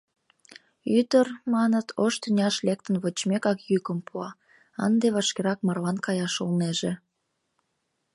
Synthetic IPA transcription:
yt̪ərmɑnət̪ʰoʃt̪ynʲɑʃlek̚t̪ənβot͡ɕmekɑkjykəmpʰuɑ | ə̰nd̪eβɑʃkeɾɑk̚mɑrlɑnkɑjɑʃolneʒe

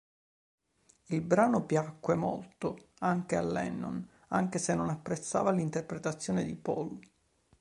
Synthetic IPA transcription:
ilbɾaːnopjakːwemo̰lt̪oaŋk̟ea̰lːɛ̰nːo̰n | a̰ŋkesenːonapːɾet̪sːa̰ːvalint̪erpɾet̪at̪sːjoːned̪ipɔ̰l

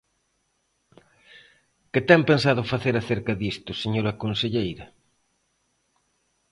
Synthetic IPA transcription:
kɪt̪ɛmpensaðʊfaθeɾaθeɾkɐðist̪ʊseɲoɾɐkonseʎejɾɐ

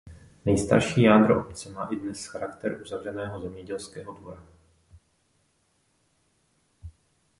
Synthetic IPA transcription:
nɛjst̪a̰ɾʃiːjaːd̪ɾoʔopt͡sɛmaːʔɪdnɛsxaɾakt̪ɛɾʔuzavr̝ɛnɛːɦozɛmɲɛɟɛlskɛːɦodvoɾa

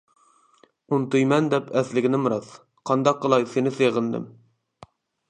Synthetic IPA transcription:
unt̪ujmɛnd̪ɛpʰɛslɪɡʲɪnɪmuɾɑs | qʰɑnd̪ɑq̚ːəlˠɑjsenɪseʁəld̪ɪ̰m

